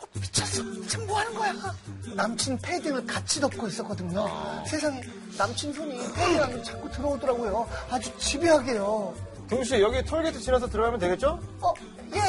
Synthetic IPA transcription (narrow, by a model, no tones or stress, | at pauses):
ʌpi̥t͡ɕʰʌs͈ʌt͡ɕʰeŋboɦanɯnɡʌjanamt͡ɕʰinpʰediŋɯɭkat͡ɕʰidʌp̚k͈ois͈ʌk͈ʌdɯɲosʰe̞sʰaŋe | namt͡ɕʰins̬ʰoɲipʰediŋɦamot͡ɕʰak͈utɯɾʌodʌɾaɡojoad͡ʑut͡ɕibiɦaɡe̞jo | kjoŋɕ̬ʰijʌɡitʰoɭɡetʰɯt͡ɕinas̬ʰʌtɯɾʌamʌntweɡe̞t̚t͡ɕ͈oʌ | je̞